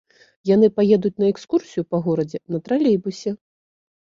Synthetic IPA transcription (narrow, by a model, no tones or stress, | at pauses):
janɨpajɛd̪ut͡sʲnɐɛkskursʲijupɐɣɔɾɐd͡zʲɛnɐt̪ɾalʲejbusʲɛ